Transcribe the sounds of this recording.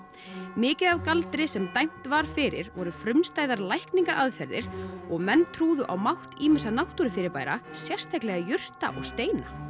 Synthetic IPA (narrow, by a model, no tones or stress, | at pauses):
mɪːcɪðavkalt̪ɾɪsɛmt̪ajm̥t̪vaɾ̥fɪɾɪ̰ɾvɔɾʏfɾʏmnst̪aːjðaɾlajhkniŋkaɾʔaðfɛɾðɪ̰ɾ̥ɔɣmɛnːt̪ʰɾuːðʏʔa̰wmawht̪iːmɪsanawht̪uɾɪfɪɾɪɾpaːjɾasjɛr̥st̪ʰajklɛɣajʏr̥t̪a̰ʔɔɣst̪eːjna̰